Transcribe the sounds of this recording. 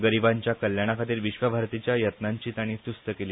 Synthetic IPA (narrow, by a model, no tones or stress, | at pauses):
ɡəɾiʋaɲt͡ɕjakəljaɽ̃akʰat̪iːlʋiɕʋəbʱaɾt̪it͡ɕjajət̪naɲt͡ɕiːt̪aɽ̃iːt̪ust̪əkeliː